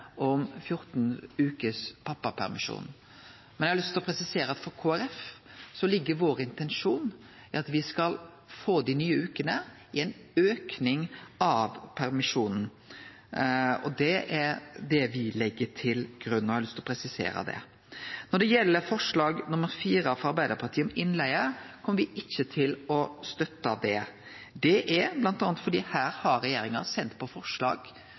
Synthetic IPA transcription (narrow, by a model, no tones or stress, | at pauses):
ʔɔmfjʊɾt̪nʉːkəspʰɑpːɑpʰæ̰ɾmɪ̰ʂṵːn | mɛnjɛhɑɾlʏst̪lɔpʰɾɛsɪseːɾəɑt̪fɔɾkʰoːæɾɛfsɔlɪɡːəɾʋoːɾɪnt̪ɛnʂuːn | ɪɑt̪ʋɪskɑl | foːd̪inyːəʉːkənə | ɪɛnøːknɪŋɑʋpʰæɾmɪʂuːnn̩ | ɔ̰d̪ɛʔɛɾd̪ɛʋɪlɛɡːətʰɪlɡ̥ɾʉnːɔhɑlʏst̪lɔpʰɾɛsɪsḛːɾə̰d̪ɛ̰ | nɔɖɛjɛlːəfɔʂɭɑːɡnʊməɾfiːɾəɑfɔɑɾbæɪd̪əɾpʰɑɾt̪ʰiːɔmɪnlæɪəɾkʰɔmːəɾʋɪʔɪçːət̪ʰɪlɔst̪œt̪ːɑd̪ɛ | d̪ɛʔɛblɑnt̪ɑːnət̪fɔɖiːhæːɾhɑɾːɛjeːɾɪŋɑsɛnt̪pʰɔfɔʂɭɑ̰ːɡ̥